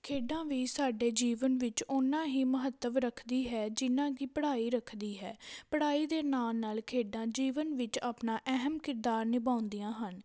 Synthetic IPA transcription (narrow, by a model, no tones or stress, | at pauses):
kʰeːɖãːʋiːsaːɖeːd͡ʒiːʋənʋɪt͡ʃʊnãːɦiːməɦət̪ːəʋɾəkʰd̪iːɦɛːd͡ʒɪnãːkiːpəɽaːiːɾəkʰd̪iːɦɛ̰ːpəɽaːiːd̪eːnaːlnaːlkʰeːɖãːd͡ʒiːʋənʋɪt͡ʃaːpnãːʔɛɦəmkɪɾd̪aːɾnɪbãːʊnd̪ijãːɦən